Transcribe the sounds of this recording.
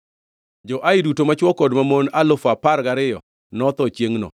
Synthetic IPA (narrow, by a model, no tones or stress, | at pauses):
d͡ʒɔʔaɪdutomat͡ʃwɔkɔdmamonalʊfapaɾɡaɾɪjɔ | nɔt̪ɔt͡ʃjeŋnɔ̰